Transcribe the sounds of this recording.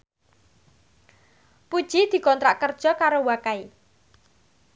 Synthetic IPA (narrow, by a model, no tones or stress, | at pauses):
pud̥ʒ̥i̤d̪̥i̤kɔnt̪ɾaʔkərd̥ʒ̥ɔ̤kaɾowakai